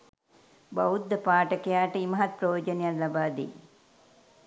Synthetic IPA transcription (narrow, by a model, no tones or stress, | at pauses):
ba̰wud̪ːəpaːʈəkejaːʈəiməɦat̪̚pɾəjoːd͡ʒənejallabaːd̪ḭ